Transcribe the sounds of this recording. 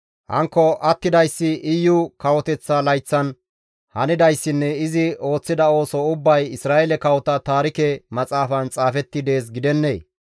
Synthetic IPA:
hɐ̰ŋkːɔʔɐt̪ːɪd̪ɐjsːɪʔɪjːʊkɐwɔt̪ɛt͡sːalɐjt͡sːɐn | hɐnɪd̪ɐjsːɪnːɛɪzɪo̞ːt͡sːɪd̪ɐo̞ːsɔʊbːɐjɪsɾaːɛlɛkɐwɔt̪ɐt̪aːɾɪkɛmɐt͡sʼaːfɐnt͡sʼaːfɛt̪ːɪd̪e̞ːs̬ɡɪd̪ɛnːe̞ː

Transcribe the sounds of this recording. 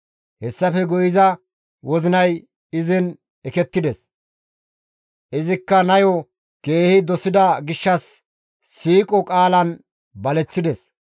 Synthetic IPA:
hɛsːɐfɛɡʊjɪzɐ | wɔzɪnɐj | ɪzɪn | ɛkɛt̪ːɪd̪ɛs | ʔɪzɪkːɐnɐjɔ | ke̞ːhɪd̪ɔsɪd̪ɐɡɪʃːɐsː | iːkʼɔkʼaːlɐn | bɐlɛt͡sːɪd̪ɛs

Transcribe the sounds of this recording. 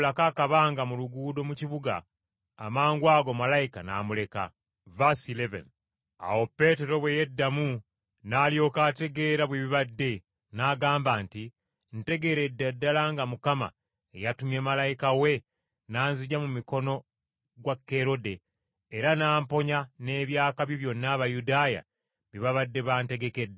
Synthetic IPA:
lakaːkaβaːŋɡamuluɡuːdo̞muciβuɡa̰ː | maːŋɡwaːɡo̞malajika̰na̰ːmule̞ka̰ | vasilevḛn | a̰wopːe̞ːte̞ɾo̞βweje̞dːamu | naːljo̞kate̞ɡe̞ːɾaβwiβiβadːe̞ | naːɡaːmbaːnti | n̩te̞ɡe̞ɾe̞dːadːalaŋɡamukama̰ | ejatumjeːmalajikawe̞ | naːnziɟamumiko̞no̞ | ɡwakːe̞ɾo̞de̞ː | ɾanaːmpo̞ɲane̞ːβjaːkaβjiβjo̞nːaːβajudaːja̰ | βiβaβadːe̞βaːnte̞ɡe̞ke̞dːe

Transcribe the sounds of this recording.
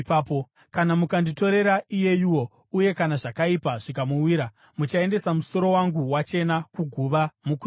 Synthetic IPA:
paːpo | kanamukandito̞ɾe̞ɾaʔije̞jiwo̞ | uje̞kanaʐakaipaʐikamuwiɾa | mut͡ʃae̞nde̞samuso̞ɾo̞waŋɡuwat͡ʃe̞nakuɡʱuʋamuku

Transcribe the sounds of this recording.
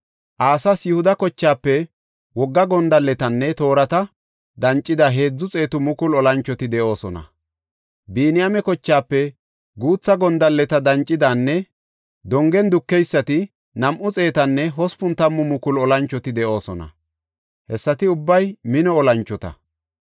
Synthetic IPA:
ʔaːsɐsjʊhʊd̪ɐkɔt͡ʃːaːpːɛ | wɔɡːɐɡɔnd̪ɐlːɛt̪ɐnːɛt̪o̞ːɾɐt̪ɐ | d̪ɐnt͡ʃʼːɪd̪ɐɦe̞ːd͡zːʊt͡sʼe̞ːt̪ʊmʊkʊlɔlɐnt͡ʃːɔt̪ɪd̪ɛʔo̞ːsɔnɐ̰ | biːnɪjɐmɛkɔt͡ʃːaːpːɛ | ɡuːt͡sːɐɡɔnd̪ɐlːɛt̪ɐd̪ɐnt͡ʃʼːɪd̪aːnːɛ | d̪ɔŋɡɛnd̪ʊkːɛjsːɐt̪ɪ | nɐmʔʊt͡sʼe̞ːt̪ɐnːɛɦɔspʊnt̪ɐmːʊmʊkʊlɔlɐnt͡ʃːɔt̪ɪd̪ɛʔo̞ːsɔnɐ̰ | hɛsːɐt̪ɪʊbːɐjmɪnɔɔlɐnt͡ʃːɔt̪ɐ̰

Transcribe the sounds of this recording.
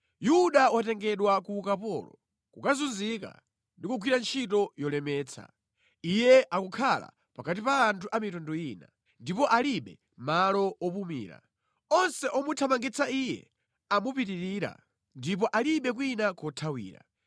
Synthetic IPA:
juɗawatɛŋɡɛɗwakukapɔ̰lɔ̰ | kukazunzika̰ | ndikuɡʰwiɾant͡ʃʰit̬ɔjɔlɛmɛːt͡sʰa̰ | ijɛʔakukʰala̰ | pakat̬ipaːntʰuʔamitɔndɔiːna | ndipɔʔaliɓɛ | malɔɔpumḭːɾa̰ | ɔnsɛʔɔmutʰamaŋɡit͡sʰaijɛ̰ | amupitiɾiːɾa̰ | ndipɔʔaliɓɛk̬winakɔtʰawḭːɾa̰

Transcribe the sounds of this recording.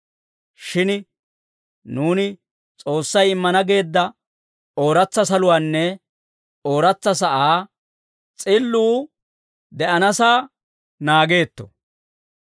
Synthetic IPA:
ʃɪn | nuːnɪ | t͡sʼo̞ːsːɐjɪmːɐnɐɡe̞ːd̪ːɐ | o̞ːɾɐt͡sːɐsɐlʊwaːnːɛ | o̞ːɾɐt͡sːɐs̬ɐʔaː | t͡sʼɪlːuː | d̪ɛʔɐnɐsaː | naːɡe̞ːt̪ːɔ̰

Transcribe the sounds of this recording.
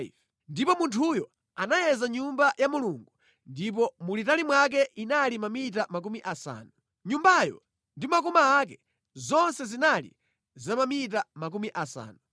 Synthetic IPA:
ndipɔmuntʰujɔ | anajɛzaɲumbajamuluŋɡu | ndip̬ɔmulitalimwak̬ɛʔinalimamit̬amak̬umiʔasa̰ːnu | ɲumbajɔ̰ | ndimakɔmaːk̬ɛ | zɔnsɛzinalḭ | zamamitamak̬umiʔasa̰ːnu

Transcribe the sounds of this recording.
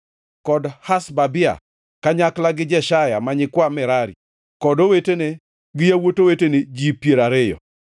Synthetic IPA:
kɔdhasbabɪa̰ | kaɲaklaɡɪd͡ʒɛʃajamaɲɪkwamɪɾaɾḭ | kɔdowetene | ɡɪjawotowetened͡ʒipjeɾaɾɪjɔ̰

